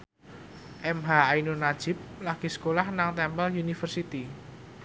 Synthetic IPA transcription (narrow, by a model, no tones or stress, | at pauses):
ʔɛmɦaainonḁd͡ʒ̥ɪ̤p̚laɡ̥i̤sə̥kolahnaŋt̪ɛmpəljunifərsit̪i